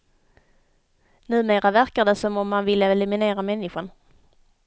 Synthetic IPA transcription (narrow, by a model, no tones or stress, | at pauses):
nʉ̟ːmeːɾavæɾkad̪əsɔmɔmːanvɪlːəɛlɵmɪneːɾamɛnːɪɧʊɳ